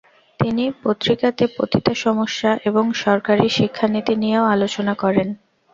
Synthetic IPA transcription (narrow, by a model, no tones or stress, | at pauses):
t̪inipot̪ːɾikat̪epo̰t̪ʰit̪aʃɔmoʃːaʔeboŋʃɔɾkaɾiʃikʰːanit̪inijeoalot͡ɕonakɔɾen